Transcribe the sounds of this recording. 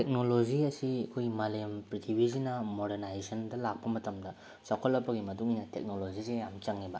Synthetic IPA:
tek̚noloziɐsiɐkʰojmalempɾitʰibʱizinɐmoɾenajsɐndɐlak̚pɐmɐtɐmdɐ | sakʰɐlːɐpʰːɐɡimɐduŋinɐtḛk̚nolozizeamt͡ʃaŋːibɐ

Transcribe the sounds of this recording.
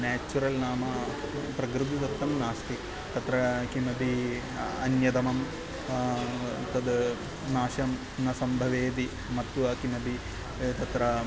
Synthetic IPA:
naːt͡ʃːuɾɐlnaːmɐpɾɐɡɾud̪it̪ɐt̪ːɐmnaːst̪i | t̪ɐt̪ɾɐkimɐbi | ɐnjɐd̪ɐmɐm | t̪ɐd̪ | naːʃɐm | nɐsɐmbʱɐʋeːd̪i | mɐt̪ːuʋɐkimɐbʱi | t̪ɐt̪ɾɐ

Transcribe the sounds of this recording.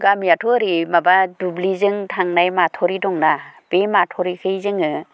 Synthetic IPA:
ɡamijatʰɔɾimabadublizɯŋtʰaŋnajmatʰɔɾidɔŋnab̥ematʰɔɾikʰɯjzɯŋɯ

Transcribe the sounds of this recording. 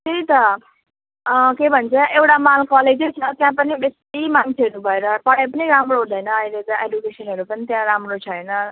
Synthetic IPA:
t̪eɾit̪ʌ | kebʱʌnt͡sʰʌʔewʈamalkʌled͡zʌt͡sʰʌt̪jãpʌnibest̪imant͡sʰeʌɾubʱʌeɾʌpʌɽap̬ʌniɾamroɦũd̪ʌjnʌːjlet̪ʌedukesʌnɦʌɾupʌnit̪jãɾamrot͡sʰʌjnʌ

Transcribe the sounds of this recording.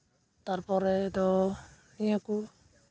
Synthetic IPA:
t̪aɾpɔɾɛd̪ɔ | niaku

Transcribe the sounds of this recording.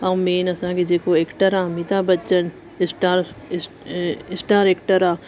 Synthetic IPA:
ɐmeːnɐsãːkid͡ʒeːkoekʈəɾãːmit̪abɐt͡ʃən | ɪsʈaːɾ | ɪsʈaːɾekʈəɾaː

